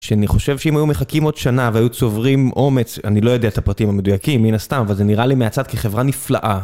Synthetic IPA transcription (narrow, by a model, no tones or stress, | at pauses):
ʃeaniχo̞ʃe̞vʃeimhajumeχakimo̞d̪̥ʃanaveajut͡so̞vʁimʔo̞me̞t͡sanilo̞jod̪eat̪apʁat̪imame̞d̪ujakimːinast̪amavalzeniʁalimeat͡sad̪̚keχe̞vʁanifla̰ʔa